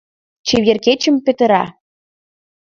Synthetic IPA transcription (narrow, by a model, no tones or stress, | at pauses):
t͡ɕeβjerket͡ɕə̆mpĕt̪ə̆ɾɑ̰